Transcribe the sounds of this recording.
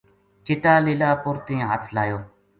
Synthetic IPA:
t͡ʃɪʈaːlɪlaːpʊɾt̪ĩːɦət̪ʰlaːjoː

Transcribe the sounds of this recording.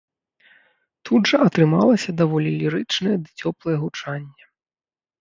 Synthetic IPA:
t̪ʰud̪ʐɐʔɐt̪ɾɨma̰lˠɐsʲɐd̪avɔlʲilʲiɾɨt͡ʂnɐjɛd̪ɨt͡sʲɔplˠɐjɛɣut͡ʂanʲːɛ

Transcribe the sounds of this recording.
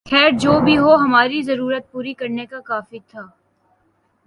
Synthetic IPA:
xʰɛːɾd͡ʒoːbʱiɦoɦɐmaːɾizɐɾuːɾət̪̚puːɾikɐɾnekakaːfit̪ʰaː

